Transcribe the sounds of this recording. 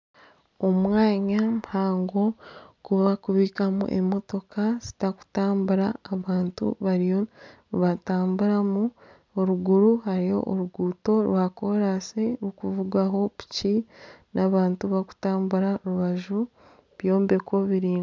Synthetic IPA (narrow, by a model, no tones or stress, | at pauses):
o̞mwaːɲamuhaːŋɡo̞kuβakuβiːkamṵʔḛmo̞to̞kaz̥i̥taku̥taːmbuɾaːβaːntṵβaɾijo | βataːmbuɾamu | oɾuɡuɾuhaɾijo̞̰ʔoɾuɡuːto̞ɾwako̞ɾaseɾukuvuɡaɦo̞βi̥cinʔaβaːntuβaku̥taːmbuɾaɾuβaʒu | βjo̞ːmbe̞ko̞βiɾiː